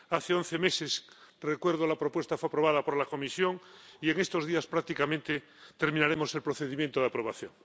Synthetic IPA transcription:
aθeonθemeses | rekwe̞ɾð̞olapɾopwe̞st̪afeapɾo̞β̞aðapoɾlako̞misjo̞ŋieŋest̪o̞zðiaspɾak̚t̪ikamẽnt̪e | t̪e̞ɾmĩnaɾemo̞se̞lpɾoθeðimjent̪oðapɾo̞β̞aθjoŋ

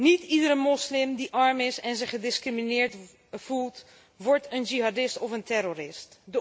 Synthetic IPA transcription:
nitidəɾəmɔslɪmdiʔɑɹmɪsɛnzəχədɪskriminɪːɹt | fulˠt | ʋɔɹtənd͡ʒiɦɑdɪstɔfəntɛɾoɾɪstdə

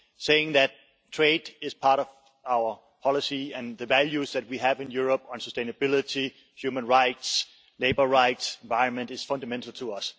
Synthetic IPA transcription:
seɪɪ̃ŋðætʰ | ɹ̥eɪdɪz̥pʰɑɹɾʌv | aʊə˞ | pʰɑlˠɪsiɨ̃nðɨvælˠjuzðæt̚wiævɨ̃njuɹəpn̩səstẽɪ̃nɨbɪlˠɪɾi | hjʉmə̃nɹaɪts | leɪbə˞ɹaɪtsɪ̃nvaɪɹə̃nmɨ̃ntɨz̥fʌ̃ndəmɛ̃ntʰəl̩ˠtʰəʌs

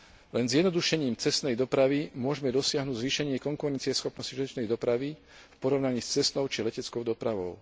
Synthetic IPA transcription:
lɛnzjɛd̪nɔd̪uʃɛɲiːmt͡sɛst̪nɛjd̪ɔpɾaʋimʊɔʒɛmɛd̪ɔsɪaɦnuːɟzʋiːʃɛɲɪɛkɔŋkuɾɛnt͡siɛsxɔpnɔsciʒiɔt͡ʃnɛjd̪ɔpɾaʋi | fpɔɾɔʊnaɲiːst͡sɛst̪nɔʊt͡ʃilɛcɛt͡skɔʊd̪ɔpɾaʋɔʊ

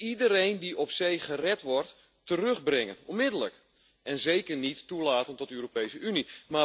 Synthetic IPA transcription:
idəɾejndiɔpsejχərɛtʋɔrt | tərøχbrɪŋənɔnmɪdələk | ʔɛnzejkərnitːulaːtəntɔtəøːropejsəʔynima

